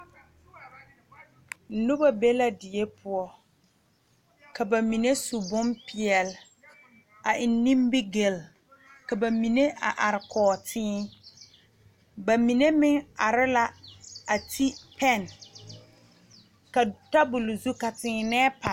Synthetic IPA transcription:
nʊ˦ba˨be˦la˦dɪ˨e˦pʰʊ˨ɔ˦ | ka˨ba˨mi˨ne˦su˨bʊ˦mpɪ˨ɛ˨l | a˨ʔɪ˨nː˦ĩ˦mbɪ˦ɡe˨l | ka˨ba˨mi˨ne˦ʔa̰˨ʔa˨ɾɪ˨kɔː˨tʰɪː˦ | ba˨mi˨ne˦mɪ˦ŋa˨ɾɪ˦la˦a˨tʰi˦pʰɛ˦˨n | ka˨ta˦bʊ˨lzu˦ka˨tɪː˨nɛː˦pa˨

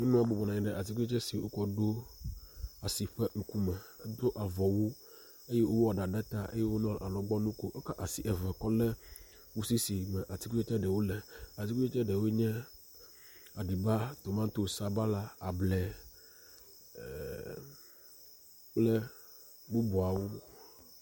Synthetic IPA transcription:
no˦nũ˦a˨bo˨bɔ˨na˨ĩ˨ɖɛ˨ʔa˨ti˦ku˦t͡ʃɛ˦si˨wo˦kɔ˦ɖo˦ | a˨si˨ɸɛ˦ŋ̩˦ku˦mɛ˨ɛ˦d̪o˦ʔa˨vɔ˨wu˦ | e˦jɛ˦ʔo˦wwɔ˨ɖa˨ɖɛ˦t̪a˦ʔḛ˦je˦wo˦nɔ̃˦˨ʔa˨lɔ̃˨ɡ͡bɔ˦nũ˦ko˦ʔo˦ka˦ʔa˨si˨ʔɛ˨vɛ˨kɔ˦lɛ˦ | wu˦si˦si˨mɛ̃˨ʔa˨ti˦ku˦e˦t͡ʃɛ˦ɖɛ˨wo˦lɛ˨a˨ti˦ku˦e˦t͡ʃɛ˦ɖɛ˨wo˦ɲɛ̃˦ | a˨ɖi˨ba˦t̪o˨mã˦t̪o˦˨sa˦ba˦la˦a˨blɛ˨ | lɛ˦ | bo˦bɔ˨a˨wo˦

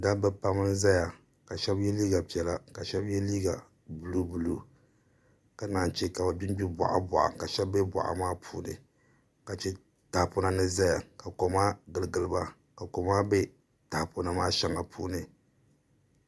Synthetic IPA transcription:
da˦bɛ˦pa˦mɨ˦nza˦ja˨ | ka˨ʃɛ˦bjɛ˦liː˦ɡa˨pi˨ɛ˨la˦ka˨ʃɛ˦bjɛ˦liː˦ɡa˨ | bu˨lu˦bu˨lu˦ | ka˦naː˨n˨t͡ʃe˦ka˨ba˨bi˦n˦bi˦ba̰˨ʔa̰˦ba̰˨ʔa̰˨ka˨ʃɛ˦bːɛ˦ba̰˨ʔa̰˨maː˦pʰuː˦nɨ̰˨ | ka˨t͡ʃɛ˦ | ta˨pʊ˦na˦nɨ˦za˦ja˨ka˨ko˨ma˦ɡɨ˨lɨ˨ɡɨ˨lɨ˨ba˦ | ka˨ko˨ma˦be˦ | ta˨pʊ˦na˦maː˦ʃa˦ŋa˨pʰṵː˦nɨ˨

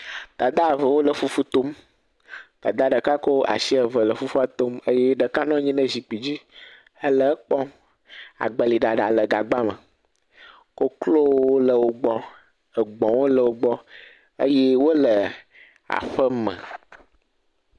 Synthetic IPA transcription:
t̪a˨d̪a˦˨və˨wo˦lə˨fu˦fu˦t̪o˦m | t̪a˨d̪a˦ɖə˨ka˦ko˦a̰˨ʃi˦ə˨və˨lə˨fu˦fu˦a˦˨t̪o˦mə˦jɛ˦ɖə˨ka˦nɔ̃˦ɲĩ˦nə˦zi˨k͡pi˨d͡ʑi˦ | ə˦lə˨˦k͡pɔ˦ | a̰˨ɡ͡bə˨li˨ɖa˨ɖa˨lə˨ɡa˨ɡ͡ba˦mə̰˨ | ko˦klo˦o˦lə˨wo˨ɡ͡bɔ˦ | ə˨ɡ͡bɔ̃˨wo˦lə˨wo˦ɡ͡bɔ˦ | ə˦je˦wo˦lə˨ | a̰˨ɸə˦mə̰̃˨

